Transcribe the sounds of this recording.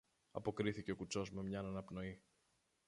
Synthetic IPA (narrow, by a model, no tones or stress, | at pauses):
ɐ̰po̞kɾiθice̞o̞kut͡so̞zmemɲɐnɐnɐpno̞i